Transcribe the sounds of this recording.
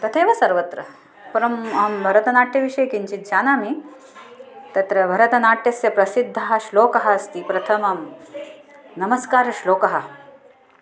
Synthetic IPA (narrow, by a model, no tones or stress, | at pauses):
t̪ɐt̪ʰeːʋɐsɐɾʋɐt̪ɾɐ̰ | pɐɾɐmɐmbʱɐɾɐt̪ɐnaːʈjɐʋiʂɐjkiɲt͡ʃit̪̚d͡ʒaːnaːmi | t̪ɐt̪ɾɐbʱɐɾɐt̪ɐnaːʈjɐsjɐpɾɐsid̪ʱːɐɦɐʃloːkɐɦɐɐst̪ipɾɐt̪ʰɐmɐm | nɐmɐskaːɾɐʃloːkɐɦɐ